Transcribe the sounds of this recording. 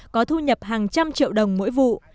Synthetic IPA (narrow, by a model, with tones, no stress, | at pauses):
kɔ˨˦t̪ʰu˧ɲə˨˩p̚haː˨˩ŋt͡ɕa˧mt͡ɕḭ˧˨əwɗə˨˩wŋ͡mmo̰˧˥jvṵ˧˨